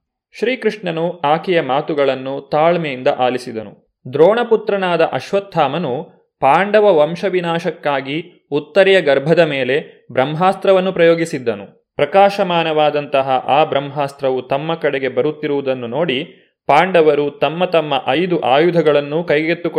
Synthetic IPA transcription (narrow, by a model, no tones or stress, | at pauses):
ʃɾiːkɾiʂɳɐnuaːkɛjɐmaːt̪uɡɐɭɐnːut̪aːɭmɛjind̪ɐʔaːlisid̪ɐnṵ | d̪ɾoːɳɐput̪ɾɐnaːd̪ɐʔɐʃʋɐt̪ʰːaːmɐnu | paːɳɖɐʋɐʋɐmʃɐʋinaːʃɐkːaːɡi | ut̪ːɐɾɛjɐɡɐɾbʱɐd̪ɐmeːle̞ | bɾɐmɦaːst̪ɾɐʋɐnːupɾɐjoːɡisid̪ːɐnu | pɾɐkaːʃɐmaːnɐʋaːd̪ɐnt̪ɐɦɐʔaːbɾɐmɦaːst̪ɾɐʋut̪ɐmːɐkɐɽeɡe̞bɐɾut̪ːiɾuʋud̪ɐnːuno̞ːɽi | paːɳɖɐʋɐɾut̪ɐmːɐt̪ɐmːɐʔɐjd̪uʔaːjud̪ʱɐɡɐɭɐnːukɐjɡet̪ːuk